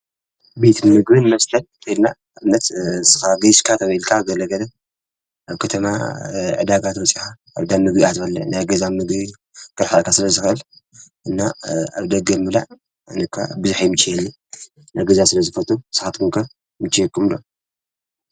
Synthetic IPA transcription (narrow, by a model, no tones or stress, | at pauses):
bet̪ʰɨnmɨɡbɨnmɐst̪ʰɐlʰena | nɐt̪zɨ̥xaɡɐjskʰat̪ʰɐβɐjlkʰaɡɐlɐɡɐlɐ | ʔaβkʰɐt̪ʰɐma̰ʕɨd̪aɡat̪wɔt͡sʼixaʔːβd̪amːɨɡbiat̪bɐlːɐ̰najɡɐzamɨɡbi | kɨɾħakʰasɨlɐzɨxʔɨl | ʔɨnːaa̰βd̪ɐɡɐmɨla̰ʕ | ɨnɨkʰːa̰bɨzuħajmɨt͡ʃːijɛlːi | najɡɐzasɨlɐzɨfɐt̪ʰʼusɨ̥xat̪kʰuŋkʰɐ | mɨt͡ʃːijɛkʰːumlo̰